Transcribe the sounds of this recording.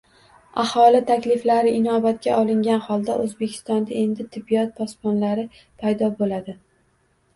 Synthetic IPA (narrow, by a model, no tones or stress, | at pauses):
ahɒlɪt̪ʰakʲlɪflaɾɪʔɪnɒbat̪̚kʲaʔɒlˠɪŋɡʲanhɒlˠd̪aʔɵzbe̞kʲʰɪ̥st̪ɒnd̪ae̞nd̪ɪt̪ʰɪbːijɒt̪̚pʰɒspɒnlaɾɪ | pʰajd̪ɒbolad̪ɪ